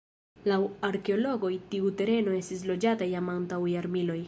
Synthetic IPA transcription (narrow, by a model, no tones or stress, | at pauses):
lawaɾke̞o̞lo̞ɡo̞jtiute̞ɾe̞no̞e̞stis̬lo̞d͡ʒatajamantawjaɾmilo̞j